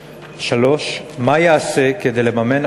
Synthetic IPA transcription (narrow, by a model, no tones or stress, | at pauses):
ʃalo̞ʃmajeaseked̪e̞jle̞mame̞n